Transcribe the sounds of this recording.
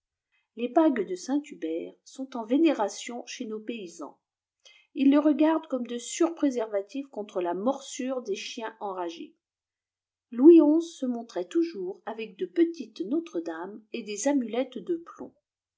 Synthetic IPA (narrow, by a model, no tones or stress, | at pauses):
lebaɡd̪əsɛ̃t̪ybɛʁsɔ̃t̪ɑ̃veneʁasjɔ̃ʃenopeizɑ̰̃ | ilːəʁəɡaʁd̪kɔmd̪əsyʁpχezɛʁvat̪ifkɔ̃t̪χəlamɔʁsyʁd̪eʃjɛ̃ʔɑ̃ʁaʒḛ | lwiɔ̃zsəmɔ̃t̪χɛt̪uʒuʁavɛk̚d̪əpət̪it̪not̪χəd̪amed̪ezamylɛt̪d̪əplɔ̰̃